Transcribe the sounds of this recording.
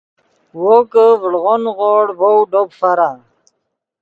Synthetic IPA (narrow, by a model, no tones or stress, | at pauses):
wokəvəɽʁonʁoɽbowɖobfaɾa